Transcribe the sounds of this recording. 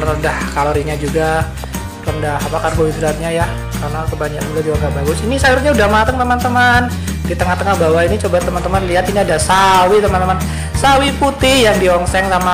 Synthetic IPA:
rəndahkaloɾiɲad͡ʒuɡa | ləndaɦapakarɦoisəlat̪̚ɲajah | karənasəbaɲak̚buladiwaŋɡabaɡʊsinisaɪɾɲaudahmat̪əŋt̪əmant̪əman | dit̪əŋaht̪əŋahbawainit͡ʃobat̪əmant̪əmanliɦat̪iniadasawit̪əmant̪əman | sawiput̪ɪhjaŋdiɔŋsɛŋsama

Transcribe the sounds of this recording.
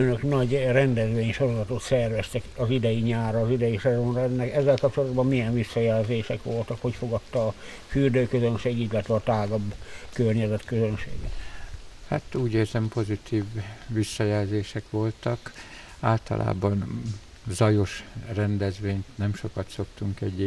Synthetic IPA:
ønøknɒɟrɛnd̪ɛzʋeːɲʃo̞ɾo̞zɒt̪ot̪sɛrʋɛst̪ɛkɒzid̪ɛjiɲaːrɒːzid̪ɛjisɛzonrɒɛnːɛkɛzːɛlkɒp̚t͡ʃo̞lɔd̪bɒmmijɛɱvisːɒjɛlzeːʃɛkʋo̞lt̪ɒkho̞cfo̞ɡɒt̪ːɒː | fyːrd̪øːkøzønʃeːɡilːɛt̪ʋɛɒt̪aːɡɒbkørɲɛzɛt̪køzønʃḛːɡɛt̪hat̪uːɟeːrzɛmpo̞zit̪ʰiːvːisːɒjɛlzeːʃɛkʋo̞lt̪ɒk | aːlt̪ɒ̰lʔa̰ːbɒn | zɒjo̞ʃrɛnd̪ɛzʋeːɲt̪nɛmʃo̞kɒt̪so̞kt̪uŋkɛɟ

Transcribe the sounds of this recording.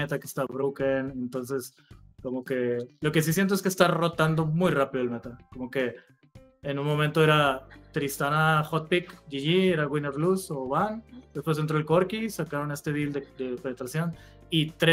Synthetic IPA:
et̪ake̥st̪aβɾowkenent̪o̞nse̞s | ko̞mo̞ke̞lo̞ke̞s̬is̬jent̪oes̬kest̪aro̞t̪and̪o̞mujrapiðoelme̞t̪akomo̞ke̞ː | nunmo̞mẽnt̪oe̞ɾat̪ɾist̪anaxot̪̚pikʝiʝieɾaɣwineɾβluso̞βand̪̥e̞spwes̬ent̪ɾo̞elko̞ɾkisakaɾo̞ne̞st̪e̞ðild̪ed̪e̞pe̞net̪ɾasjo̞n | it̪ɾe

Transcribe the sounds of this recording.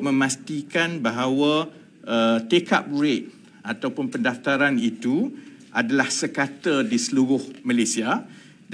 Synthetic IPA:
mə̃mast̪ikanbaɦawa | ət̪eka̰p̚ɾɪt̪̚ | at̪awpʊnpəndaft̪aɾanit̪uʔadalahsəkat̪ədisəluɾʊhmalesia

